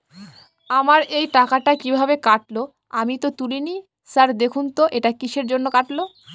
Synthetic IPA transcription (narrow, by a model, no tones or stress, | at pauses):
amaɾejʈakaʈakibʱabekaʈlo | amit̪ot̪ulini | saɾd̪ekʰunt̪oʔeʈakiʃeɾd͡ʑonːokaʈlo